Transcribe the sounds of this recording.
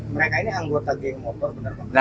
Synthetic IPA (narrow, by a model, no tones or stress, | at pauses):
məɾekainiaŋɡot̪aɡemːɔt̪ɔrbənərbaa